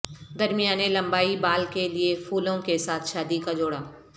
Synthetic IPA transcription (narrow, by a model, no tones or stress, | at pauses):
d̪ɐɾmijaːnelɐ̃mbaːibaːlkeliefʰuːlõkesaːt̪ʰʃaːd̪ikad͡ʒoːɽaː